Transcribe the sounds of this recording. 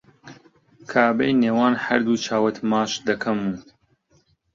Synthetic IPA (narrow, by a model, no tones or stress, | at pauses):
kʰaːbejneːwaːnhɐɾd̪uːt͡ʃʰaːwɐt̪maːʃd̪ɐkʰɐmuː